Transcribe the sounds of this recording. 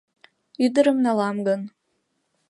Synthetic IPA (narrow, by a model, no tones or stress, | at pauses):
yd̪əɾə̆mnɑlˠɑmɡɤ̆n